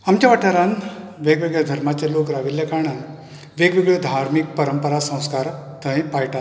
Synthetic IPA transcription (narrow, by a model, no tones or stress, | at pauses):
amt͡ɕjaʋəʈʰaɾanʋeɡʋeɡɭed̪ʱəɾmat͡ɕalokɾaʋiljakaɳ̃an | ʋeɡʋeɡɭed̪ʱaɾmik̚pəɾəmpəɾasə̃w̃skaɾt̪ə̃ẽpajʈat̪